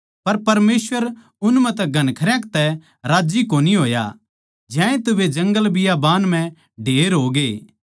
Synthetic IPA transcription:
pɐɾpɐɾmeːsʋəɾ | ʊnmɛ̃t̪ɛɡɐnkʰɐɾjãkt̪ɛ | ɾaːd͡ʒikoːniɦoːja̰ | d͡ʒɛ̃ːẽt̪ʊʋed͡ʒɐ̃ŋɡəlbɪjabaːnm̤ɛ̃ | ɖʱeːɾɦoːɡeː

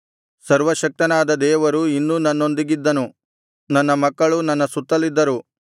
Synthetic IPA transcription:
sɐɾʋɐʃɐk̚t̪ɐnaːd̪ɐd̪ɛːʋɐɾuinːuːnɐnːo̞nd̪iɡid̪ːɐnu | nɐnːɐmɐkːɐɭunɐnːɐsut̪ːɐlid̪ːɐɾu

